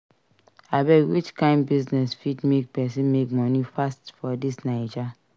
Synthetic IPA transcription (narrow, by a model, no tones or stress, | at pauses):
abɛwit͡ʃkãɪ̃nbiznɛsfidmek̚pɛsĩnmekmɔnifastfɔdisnaɪd͡ʒa